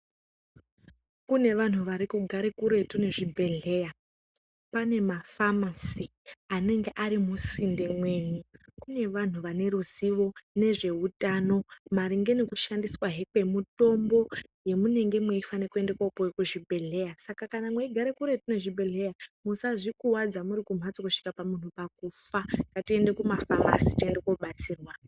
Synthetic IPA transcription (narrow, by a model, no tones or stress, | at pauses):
kune̞ʋan̤uʋaɾikuɡʱaɾekuɾe̞tune̞ʐibʱe̞ɮe̞ːja | pane̞mafamasi | ane̞ŋɡeʔaɾimusinde̞mwe̞ːɲukune̞ʋan̤uʋane̞ɾuziʋo̞ne̞ʐe̞utano̞maɾiŋɡe̞nekuʃandiswaɦe̞kwe̞muto̞mbo̞ | je̞mune̞ŋɡe̞mweifanekue̞ndekwaupowekuʐibʱe̞ɮe̞jasakakanamweiɡʱaɾekuɾe̞tine̞ʐibʱe̞ɮe̞jamusaʐikuwad͡zamuɾikum̤at͡sokuʂi̥kapamun̤upak̚ufaŋɡatie̞nde̞kumafama̰sitie̞ndekoɓat͡siːrwa